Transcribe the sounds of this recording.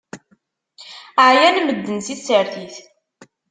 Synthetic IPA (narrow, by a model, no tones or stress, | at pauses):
ʕjænməd̪ːənsiθsːəɾθiθ